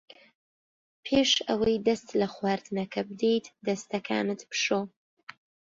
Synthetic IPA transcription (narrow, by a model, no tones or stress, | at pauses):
pʰeʃa̰wajd̪ast̪laxwaɾt̪nakʰab̚d̪it̪d̪ɐst̪akʰa̰ːnɨt̪pʃo